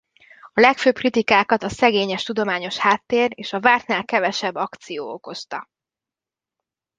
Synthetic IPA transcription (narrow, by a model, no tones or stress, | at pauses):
ɒlɛkføːp̚krit̪ikaːkɒt̪ɒsɛɡeːɲɛʃt̪ud̪o̞maːɲo̞ʃhaːt̪ːeːreːʃɒvaːrt̪naːlkɛvɛʃɛbːɒkt̪sijoːoko̞st̪ɒ